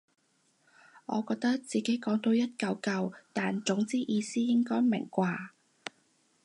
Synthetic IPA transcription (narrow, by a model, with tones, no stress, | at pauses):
ŋɔ̰ː˨˧kɔː˧k̚t̪ɐ˥k̚t͡siː˨ke˨˥jkɔː˨˥ŋt̪o˧wjɐ˥t̚kɐ˧wkɐ˧wt̪aː˨nt͡sʊ˨˥ŋt͡siː˥ʔiː˧siː˥jɪ˥ŋkɔː˥jmɪ̰˨˩ŋkʷaː˧